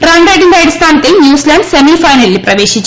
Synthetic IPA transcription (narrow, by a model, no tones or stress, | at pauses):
ɾɐɳɖɾɐjɖind̪ɐjɽɐst̪ʰaːnɐt̪ːenjuːslɐɳɖsemifɐjnɐlːipɾɐʋe̞ːʃit͡ʃː